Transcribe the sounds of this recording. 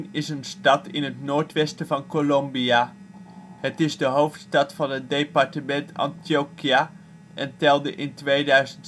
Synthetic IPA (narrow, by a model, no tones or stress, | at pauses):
nɪsənstɑtɪ̰nɦətnoːɹtʋɛstəvɑnkolombia | hətɪzdəɦowftstɑtfɑnɦət̚dejpɑɹtəmɛntʰɑ̰ntiokia | ʔɛntɛlˠdəʔɪntʋejdœɥzənt